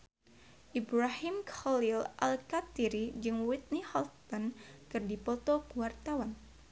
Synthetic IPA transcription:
ʔibɾahimkɔlilʔalkat̪iɾid͡ʒɨŋwit̪̚nihɔlt̪ɔnkɨrdipɔt̪ɔkuwart̪awan

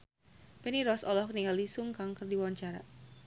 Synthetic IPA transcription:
pɛniɾɔsɔlɔhkniŋalisʊŋkaŋkərdiwawaɲt͡ʃaɾa̰

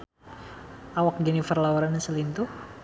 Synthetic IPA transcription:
awak̚ɡɛnifərlawuɾansəlint̪u

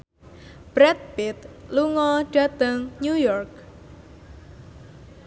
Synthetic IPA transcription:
b̥ɾɛt̪̚bɪt̪luŋɔɖ̥at̪əŋnujɔrk̚

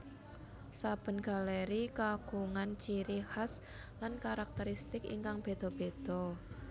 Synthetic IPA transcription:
sab̥ə̤nɡ̥a̤leɾikaɡ̥uŋant͡ʃiɾihas | lankaɾak̚t̪əɾist̪ɪkḭŋkaŋb̥e̤d̪̥ɔ̤b̥ed̪̥ɔ̤

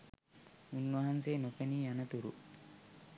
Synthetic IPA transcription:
unːʋɐɦanseːnopeniːanɐt̪uɾṵ

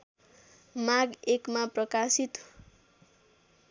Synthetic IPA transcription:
maɡekmaprʌkasit̪

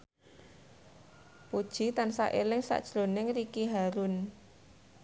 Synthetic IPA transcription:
pud̥ʒ̥i̤t̪ansa̰ʔelɪŋsa̰ʔd̥ʒ̥ɾonɪŋɾikiɦaɾʊn

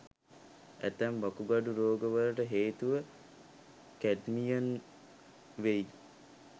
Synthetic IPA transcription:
æt̪æmʋakuɡaɖuɾoːɡəʋələʈəɦeːt̪uʋə | kæɖmijən | ʋej

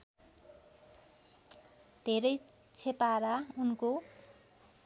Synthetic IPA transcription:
d̪̥ʱeɾʌj | t͡sʰepaɾaunko

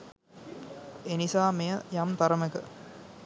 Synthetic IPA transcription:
enisaːmejəjamt̪ɐɾəməkə̰

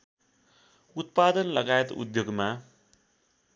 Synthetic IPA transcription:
ut̪̚pad̪ʌnlʌɡajet̪ṵd̪joɡma

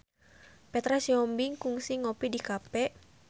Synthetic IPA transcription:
pɛt̪ɾasiɔmbiŋkuŋsiŋɔpidikapɛʔ

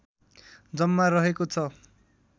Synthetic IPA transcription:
d͡zʌmːarʌɦekot͡sʰʌ

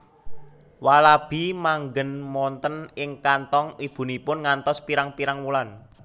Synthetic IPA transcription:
walab̥i̤maŋɡənmɔnt̪ənɪŋkant̪ɔŋib̥ṳnipʊnŋant̪ɔspiɾaŋpiɾaŋwulan

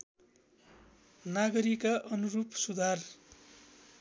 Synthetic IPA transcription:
naɡʌɾikaʔʌnurupsud̪ʱar

